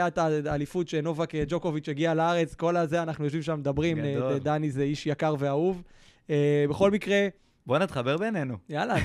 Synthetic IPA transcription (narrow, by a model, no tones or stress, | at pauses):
jat̪aːlifutʃeno̞vaked͡ʒokovit͡ʃeɡialaaʁe̞t͡sko̞lazeanaχnujo̞ʃ̬vimʃamed̪abʁimdd̪anizeiʃjakaʁve̞auv | ebe̞χo̞lmikʁe̞ | bonit̪χabeʁbenenujala